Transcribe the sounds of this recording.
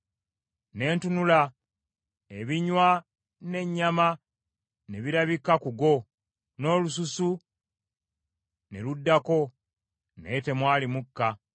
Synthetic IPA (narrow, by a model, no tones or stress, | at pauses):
ne̞ːntunula | eβiɲwa | ne̞ɲːama | ne̞βiɾaβikːakuɡo̞ | no̞ːlususu | ne̞ludːako̞ | ne̞te̞mwaːlimukːa